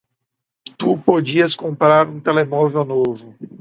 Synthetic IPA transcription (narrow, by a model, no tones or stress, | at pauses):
t̪upod͡ʒiɐskõmpɾaɾũt̪elemɔvewnovʊ